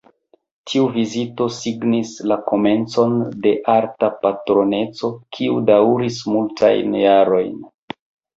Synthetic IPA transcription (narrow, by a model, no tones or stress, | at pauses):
tʰiuvizito̞siɡnislako̞me̞nt͡so̞nde̞ʔaɾtapatɾo̞ne̞t͡so̞kʰiudawɾismultʰa̰jnjaɾo̞jn